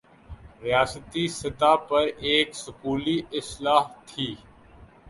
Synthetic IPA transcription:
ɾijaːsət̪isɐt̪aːpɐɾeːksʊkuːliɪslaːɦt̪ʰiː

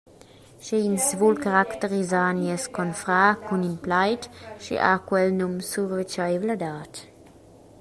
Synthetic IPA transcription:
ʃeinsvulkaʁaktəɾizaːnjɛskɔnfɾaːkʰuninplajtʃḭʔa̰kwɛlnumsuʁvet͡ʃajvladaːt

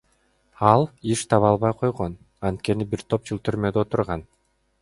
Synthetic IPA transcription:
ɑlˠiʃt̪ʰɑβɑlˠβɑjqʰo̞jʁo̞n | ɑnt̪̚ke̞nibiɾt̪ʰo̞p̚d͡ʒɯlˠt̪ʰyɾmø̞d̪o̞t̪uɾʁɑn

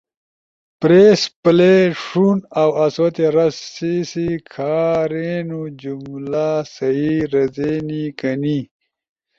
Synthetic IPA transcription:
pɾeːspleʂunawɐswɐt̪eɾɐsːisikʰaːɾeːnud͡ʑumlaːsɐiɾɐzeːnikɐni

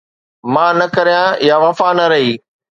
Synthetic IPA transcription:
mãːnɐkɐɾijãjaʋɐfanɐɾɐɦiː

